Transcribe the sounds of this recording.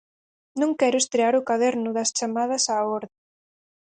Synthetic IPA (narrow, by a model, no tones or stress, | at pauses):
nõŋkɛɾʊest̪ɾeaɾʊkaðɛɾnʊðɐst͡ʃamaðɐsaɔɾðɪ